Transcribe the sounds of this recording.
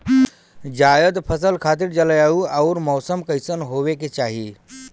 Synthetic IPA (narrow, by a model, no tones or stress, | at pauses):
d͡ʑajəd̪pʰəsəlkʰat̪̬iːɾd͡ʑaləjauːauɾmɔːsəmkəjsənɦoʋeket͡ɕaɦi